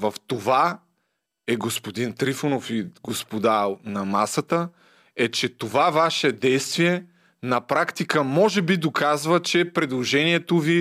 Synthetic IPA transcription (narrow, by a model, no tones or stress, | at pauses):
vɐft̪ova | ɛɡospod̪int̪ɾifonofiɡospod̪anɐmasət̪ə | ɛt͡ʃɛt̪ovavaʃɛd̪ɛjst̪viɛ | nɐpɾakt̪ikəmɔʒɛbid̪okazvət͡ʃɛpɾɛd̪lˠoʒɛniɛt̪ovi